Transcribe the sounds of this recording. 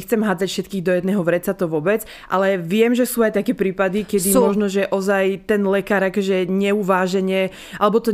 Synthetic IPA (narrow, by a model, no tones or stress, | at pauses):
xt͡sɛmɦaːd͡zacfʃɛt̪kiːɣd̪ɔjɛd̪nɛːɦɔʋɾɛt͡sat̪ɔʋɔbɛt͡s | ʔa̰lɛʋɪɛmʒɛsuːajt̪akɛːpɾiːpad̪ikɛd̪imɔʒnɔʒɛʔɔzajt̪ɛnlɛkaːɾakɔʒɛɲɛuʋaːʒɛɲɛ | ʔalɛbɔt̪ɔ